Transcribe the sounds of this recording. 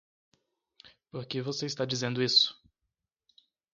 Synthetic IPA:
poɾkevoseist̪ad͡ʒizẽnd̪ʊisʊ̥

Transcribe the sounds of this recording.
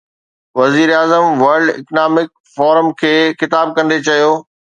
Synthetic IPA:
ʋɐziːɾaːzəmʋɐɾɖɪ̰knaːmɪk̚ | fɔːɾəmkʰeːxɪt̪aːb̚kɐ̃nd̪et͡ɕɐjoː

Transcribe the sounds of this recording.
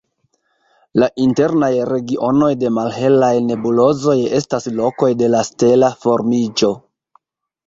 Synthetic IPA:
laʔinte̞ɾnajɾe̞ɡiʔo̞no̞jde̞malɦe̞lajne̞bulo̞zo̞je̞staslo̞ko̞jde̞laste̞lafo̞ɾmid͡ʒo̞

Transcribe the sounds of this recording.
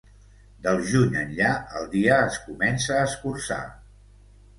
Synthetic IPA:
d̪əlˠʒuɲənʎaə̰lˠd̪iəːskumɛnsəːskursa̰

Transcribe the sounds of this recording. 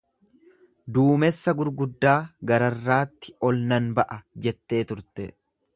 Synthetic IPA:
d̪uːmɛsːɐɡʊɾɡʊd̪ːaːɡɐɾɐrːaːt̪ːɪ̥ɔlnɐnbɐʔɐd͡ʒɛt̪ːe̞ːt̪ʊɾt̪ɛ

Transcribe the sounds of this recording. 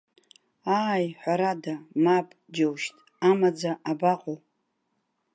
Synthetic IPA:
aːjħʷaɾadamapʼd͡ʒawʃtʼ | amad͡zaʔabaqʼow

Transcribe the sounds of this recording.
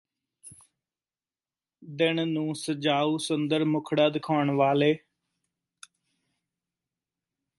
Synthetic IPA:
d̪ɪnnũːsəd͡ʒaːuːsənd̪əɾmʊkʰɽaːd̪ɪkʰaːɳʋaːleː

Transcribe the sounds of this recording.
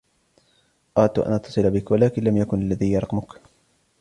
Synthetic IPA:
ʔaːt̪ːʔa̰nʔɑt̪ʰːɑsˤɨlbɪkwalaːkɪnlamjakʊnalːaðiːjɑɾˤqmʊk

